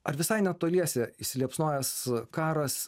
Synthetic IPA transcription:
ɐɾʋʲɪsɐɪnʲɛt̪oːlʲiɛsʲɛɪʃʲsʲɪlʲiɛpsnoɔjɛskɑːɾɐs

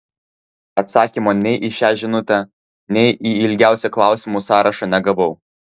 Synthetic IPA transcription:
ɐt̪sɑːkʲimoːnʲɛɪʔɪʃʲæːʒʲɪnʊt̪ʲɛ | nʲɛɪʔiɪlʲɡʲæˑʊsʲɛklˠɑˑʊsʲimuːsɑːɾʔɐʃɑnʲɛɡɐʋɔʊ

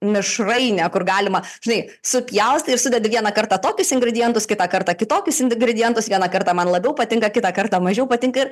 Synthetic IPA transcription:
mʲɪʃrɐɪnʲɛkʊrɡɑːlʲɪmɐ | ʒʲɪnɐɪ | sʊpʲjɛʊsʲt̪ʲɪrsʊd̪ʲɛd̪ʲɪʋʲiɛnɐkɐrt̪ɑt̪oːkʲʊsɪŋɡɾʲɛdʲɪjɛnt̪ʊskʲɪt̪ɑkɐrt̪ɐkʲɪt̪oːkʲʊsɪnɡɾʲɛd̪ʲɪjɛnt̪ʊsʋʲiɛnɐkɐrt̪ɑmɐnlˠɐbʲɛʊpɐt̪ʲɪŋkɐkʲɪt̪ɑkɐrt̪ɑːmɐʒʲɛʊpɐt̪ʲɪŋkɐɪr

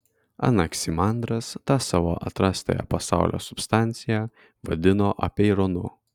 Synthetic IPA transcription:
ɐ̰nɐksʲimɑnd̪ɾɐst̪ɑsɑːʋo̰ːʔɐ̰t̪ɾɑːst̪ʲɐ̰jɛ̰pɐsɑ̰ˑʊlʲo̰ːsʊpst̪ɑˑnʲt̪sʲɪjɛ | ʋɐd̪ʲɪnoːʔɐ̰pʲɛɪɾonʊ

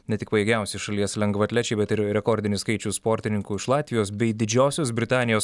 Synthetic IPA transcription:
nʲɛt̪ʲɪkpɐjeːɡʲɛˑʊsʲɪʃɐlʲiɛslʲɛŋɡʋɐt̪ʲlʲɛt͡ʃʲɛɪbʲɛt̪ɪɾɾʲɛkoːɾʲd̪ʲɪnʲɪskɐɪt͡ʃʲʊspoːɾʲt̪ʲɪnʲɪŋkuːɪʃlˠɑːt̪ʲʋʲɪjoːsbʲɛɪd̪ʲɪd͡ʒʲoːsʲoːsbʲɾʲɪt̪ɑːnʲɪjoːs

